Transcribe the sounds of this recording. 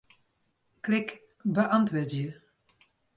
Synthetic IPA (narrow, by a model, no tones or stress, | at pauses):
klɪk | bəʔɑnt̪ʋoːtjə